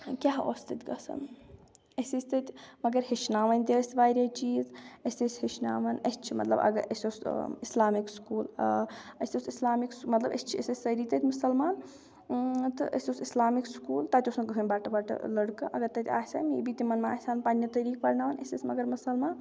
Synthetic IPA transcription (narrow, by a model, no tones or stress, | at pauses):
kʲaɦo̰st̪it̪ʲɡɐ̰sɐ̰n | əsisʲt̪ɐt̪ʲmɐɡəɾɦet͡ʃnaːʋɐnʲt̪iəsʲʋaːjɾʲɐt͡ʃiːzəsʲesʲɦet͡ʃna̰ːʋɐnɐ̰st͡ʃʰimɐt̪lɐ̰bɐ̰ɡəɾʔəsʲosislaːmikskuːl̰ɐsosislaːmiksmɐt̪lɐbə̰st͡ʃʰiəsəsʲsɐɾit̪ət̪ʲmusɐlmaːn | t̪ɨʔə̰sʲosislaːmikskuːlt̪at̪ʲosɐkɦɨnʲbaːʈɐbaʈɐ̰ləɽkɐ̰ʔɐɡɐɾt̪ɐt̪ʲʰa̰ːsa̰mibit̪imɐnmaaːsaːnpanjɐt̪ɐɾiːk̚pɐɾnaːʋɐnə̰sʲisʲmɐɡəɾmusɐlmaːn